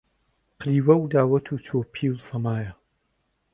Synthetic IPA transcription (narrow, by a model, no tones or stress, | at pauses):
qʰɾiːwɐwd̪aːwɐt̪ʰuːt͡ʃʰoːpʰiːwsɐmaːjɐ